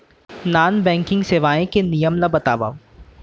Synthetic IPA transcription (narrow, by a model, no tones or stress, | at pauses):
naːnbɛ̃ːŋkɪ̃ŋɡseːʋaːẽkenijəmlabɐt̪aːʋa̰ːo